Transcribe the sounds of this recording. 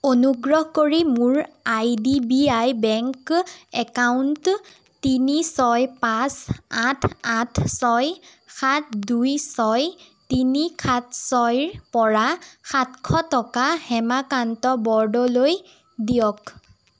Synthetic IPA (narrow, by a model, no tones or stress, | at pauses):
onuɡɹɔhkoɹimʊɹajdibiajbɛŋkɛkawnt | tinisɔjpasatʰatʰsɔjxʰat̚ʰdujsɔj | tinikʰatsɔjɹpɔɹaxʰatkʰɔtɔkahɛmakantɔbɔɹdɔloj | dijɔk